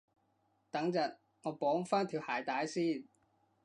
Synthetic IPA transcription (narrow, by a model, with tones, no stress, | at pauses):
t̪ɐ˨˥ŋt͡sɐ˨t̚ | ŋɔː˨˧pɔː˨˥ŋfaː˥nt̪ʰiː˨˧whaː˨˩jt̪aː˨˥jsiː˥˩n